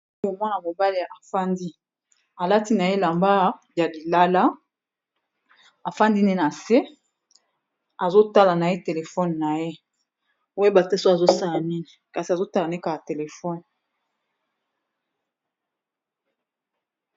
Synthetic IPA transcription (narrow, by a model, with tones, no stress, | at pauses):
o˨mwa˦na˨mo˨ba˦le˨ʔa˨fa˦ndi˦ | a˨la˦ti˦na˨je˦la˨mba˦ | ja˨li˨la˦la˦ | a˨fa˦ndi˦ne˦na˨se˦ | a˨zo˦ta˦la˨na˨e˦te˨le˨fɔ˦nna˨je˦ | we˦ba˨te˦so˦a˨zo˦sa˦la˨ni˦ni˨ka˨si˨a˨zo˦ta˦la˨na˨˦ka˨a˨te˨le˨fɔ˦n